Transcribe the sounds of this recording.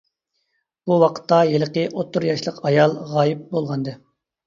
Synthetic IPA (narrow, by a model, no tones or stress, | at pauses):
b̥uwɑqʰə̥t̪ːɑjeləqəʔot̪ːuɾjɑʃlˠəqɑjɑlˠʁɑːjip̚bolˠʁɑnd̪ɨ